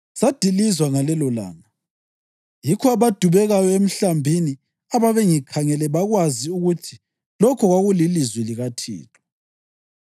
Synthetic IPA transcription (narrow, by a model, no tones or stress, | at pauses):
sad̥ʱilizwaŋalɛlɔla̰ːna | jikʰɔaβad̥ʱuβɛɣajɔem̩ɬambʱini | aβaβɛŋikʰaŋɛlɛβaɣwaziuɣutʰi | lɔkʰɔɣwaɣulilizwɛliɣatʰḭːtʰʼɔ̥